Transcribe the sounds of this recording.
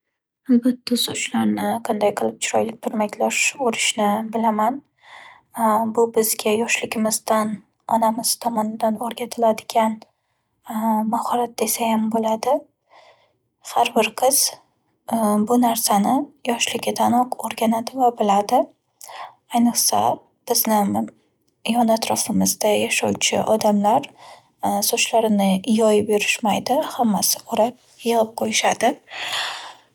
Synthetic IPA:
albat̪ːasʊt͡ʃlaɾnɪqʰɑnd̪ajqʰɨlˠɪp̚t͡ʃʰʊɾɒjlɪk̚ʲt̪ʰʊɾmakʲlaʃoɾɪʃnɪbɪlaman | bʊbɪzɡʲajɒʃlɪɡʲɪmɪzd̪an | ɒnamɪz̥t̪ʰɒmɒnɪd̪anoɾɡʲat̪ʰɪlad̪ɪɡʲan | mahɒɾat̪̚ːesajambolad̪ɪ | haɾbɪɾqʰɨz̥ | bʊnaɾsanɪjɒʃlɪɡʲat̪ʰanɒqoɾɡʲanad̪ɪvabɪlad̪ɪ | ajnɨχsa̰ | b̥ɪznɪ | jɒnat̪ɾɒfɪmɪzd̪ajaʃawt͡ʃʰɪ̰ʔɒd̪amlaɾ | sot͡ʃlaɾɪnɪjɒjɪpjʊɾɪʃmajd̪ɪhamːasɪ̥oɾap̚ | jɨʁɨp̚qʰojɪʃad̪ɪ

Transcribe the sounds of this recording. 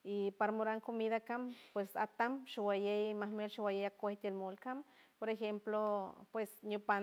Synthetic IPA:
ipaɾamoɾaŋkomiðakampwesa̰t̪amʃawajejmahmelʃawajejakʷaht̪elmolkampoɾexemplopwesnjopa

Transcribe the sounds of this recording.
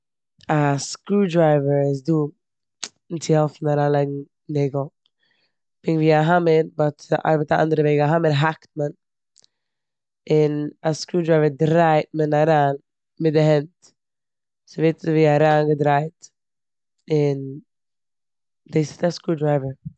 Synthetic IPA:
askuːdɾaɪvəɾɪs̬duː | nt͡sɪhɛlˠfn̩aɾaːnlˠaɪɡŋ̩ | nɛːɡl̩ˠ | pɪŋviːaɦaməɾbɔtʔa̰ɾbətaʔa̰ndəɾəvɛɪɡaɦaməɾɦakt̚mən | ɪnaskuːdɾaɪvəɾdɾaɪt̚mənaɾaːn | mɪt̚dɪɦɛnt | sɪveɪtviːaɾaːnɡədɾaɪt | ɪn | diːsɪ̥taskuːdɾaɪvəɾ

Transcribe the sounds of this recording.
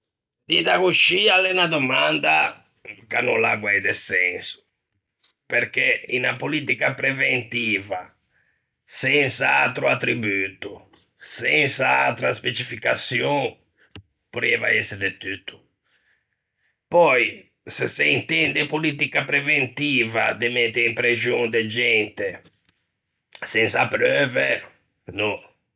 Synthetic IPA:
d̪iðaɣuʃialɛnad̪ɔmand̪a̰ | kanɔ̰nlaɡwɛjd̪ɛsɛnsu̥ | pɛɾkeinapoliːt̪ikapɾɛvent̪iːva | sɛnsaat̪ɾuat̪ːɾibuːt̪u | sɛnsaa̰t̪ɾaspet͡ʃifikasjɔ | puɾɛva̰ɛsed̪et̪yt̪u̥ | pɔj | seseint̪ɛ̃nd̪epolit̪̬ikapɾevẽnt̪ivad̪emɛt̪ːeĩmpɾeʒõŋd̪ed͡ʒɛ̃nt̪e | sɛ̃nsapɾøve | nõ

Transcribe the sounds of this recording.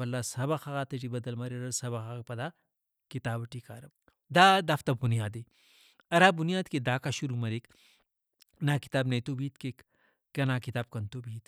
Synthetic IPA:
ɐlːasɐbaxaɣaːt̪ɐʈibɐd̪ɐlmɐɾeɾɐsɐbɐxapɐd̪a | kit̪aːbɐʈika̰ːɾɐ | d̪ad̪aft̪ɐbunijaːd̪e | ɐɾaːbunjaːd̪kid̪aːkaʃuɾumɐɾek | naːki̥t̪aːbneːt̪obiːt̪kek | kːɐnaːkit̪aːb̚kɐnt̪obʱiːt̪

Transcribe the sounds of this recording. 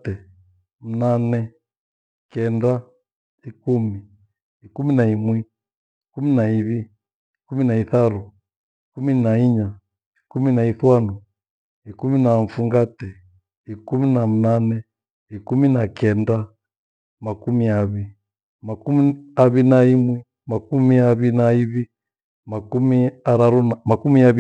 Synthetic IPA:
tɛ | m̩nanɛ | kɛnda | ikumi | ikuminaimwi | ikuminaiβi | ikuminaiθaɾu | ikuminaiɲa | ikuminaiθwanu | ikuminaɱfuŋɡatɛ | ikuminam̩nanɛ | ikuminakɛnda | makumiaβi | makumiaβinaimwi | makumiaβinaiβi | makumiaɾaɾunamakumiaβ

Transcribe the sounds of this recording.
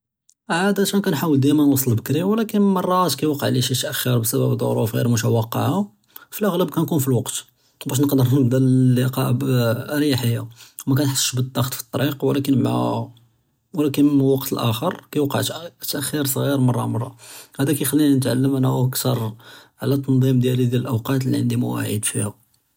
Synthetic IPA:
ʕad̪æʃænkænħawəld̪æmænwɑsˤːəlbəkɾimwlækənmɑrˤːɑt̪kæjwɑqɑʕliʃit̪ʔæxːiɾbsæbæbd̪ˤo̰ɾufɣḭɾmʊtæwɑqːɑ̰ʕa | filʔæɣləb̚kænkunfilwɑqt̪ | bæʃnəqd̪əɾnəb̪ællːiqɑ̰ | ɾjaħəjːawmækænt̪ħə̥sə̥ʃbəd̪ˤːɑxt̪fi̥t̪ˤːɑɾiqwlækənma̰ | wlækənməlwɑqt̪əlʔæxəɾkæjwɑqɑʕt̪t̪ʔæxiɾsˤɣiɾmɑrˤːɑ̰mɑrˤːɑ̰hæd̪ækæjxælːinanət̪ʕa̰lːəmʔænuʔækt̪ɑɾˤʕalæt̪ˤːɑnd̪ˤimd̪jælid̪jæləlʔawqɑt̪liʕənd̪imʊwæ̰ʕḭd̪fihʊ

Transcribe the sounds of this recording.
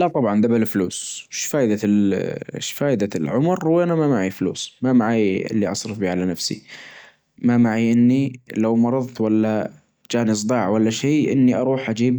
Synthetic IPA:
laʔt̪ˤɑbʕɑnd̪abalfluːsʃfaːʔɪd̪a | ʃfaːʔd̪alʕʊmɾwanamamaʕiflṵːsmamaʕaːjɪ̰lːiʔɑsˤɾɨfbiːʕalanafsḭ | mamaʕiʔɪnːilawmɑɾˤɑðˤt̪walːa | d͡ʒaːns̬ˤd̪ˤɑːʕwalːaʃeːʔɪ̰nːiʔɑɾˤuːħʔad͡ʒiːb

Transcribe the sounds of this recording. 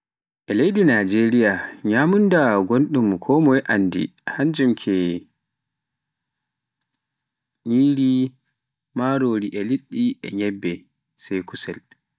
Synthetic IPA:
ʔɛlejdinad͡ʒeɾijaɲamundaɡonɗumkʰɔmɔjʔandḭhaɲd͡ʒumkʰɛ | ɲiːɾi | maɾoːɾiʔɛliɗːiʔɛ̰ɲɛbːɛ | sɛjkusɛl

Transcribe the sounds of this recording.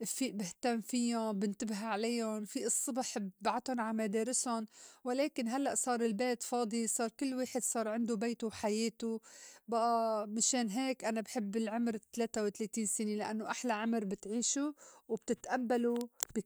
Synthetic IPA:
ʔfiːʔbɪht̪amːfijʊbɪnt̪ɪbɦaʕalajʊnfiʔɨsˤːɨbħbbaʕat̪ʊnʕamad̪eːɾɪsʊnwɪleːkɪnɦalːaʔsˤɑːɾˤɪlbeːt̪fɑːd̪ˤisˤɑːɾˤkɪlːweːħɪd̪sˤɑːɾˤʕɪnd̪ubeːt̪uwħajeːt̪ubaʔamaʃeːnɦeːkʔanabħɪbːɪlʕʊmɾt̪leːt̪awt̪leːt̪iːnsɪnelɪʔa̰nːoʔaħlaʕʊmɾbɪt̪ʕiːʃuwb̚t̪ɪt̪ʔabːalubɪ

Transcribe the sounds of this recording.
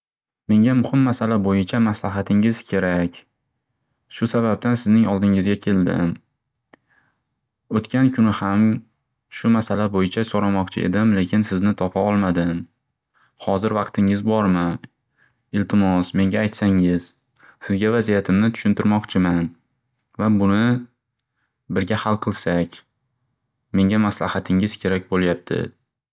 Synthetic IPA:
me̞ŋɡʲamʊhɪmːasalabojɪt͡ʃʰamaslaɦat̪ʰɪŋɪz̥kʲʰe̞ɾakʲ | ʃʊsaβab̚t̪ansɪznɪŋɒlˠd̪ɪŋɪzɡʲakʲʰe̞ld̪ɪ̰m | ot̪kʲʰankʰʊnɪham | ʃʊmasalabojɪt͡ʃʰasoɾamɒqt͡ʃʰɪ̰ḛd̪ɪmle̞kʲʰɪnsɪznɪt̪ʰɒpʰaɒlˠmad̪ɪm | hɒzɪɾvɑqt̪ʰɪŋɪzbɒɾmɪ | ɪlt̪ʰɪmɒsme̞ŋɡʲaːjt̪saŋɪz̥ | sɪzɡʲavazijat̪ʰɪmnɪt̪ʰʊ̥ʃʊnt̪ɪɾmɒqt͡ʃʰɪman | vabʊnɪ | bɪɾɡʲahalˠqʰɨlˠsakʲ | me̞ŋʲamaslahat̪ʰɪŋɪz̥kʲʰe̞ɾak̚ʲbolˠjap̚t̪ʰɪ̰

